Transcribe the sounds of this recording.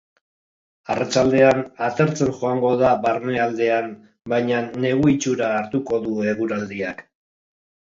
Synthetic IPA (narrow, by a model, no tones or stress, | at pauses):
arat͡ʃald̪e̞anat̪e̞ɾt͡se̞nʝo̞aŋɡo̞ðaβaɾne̞ald̪e̞an | bajɲane̞ɣuit͡ʃuɾaːɾt̪uko̞ðue̞ɣuɾald̪iak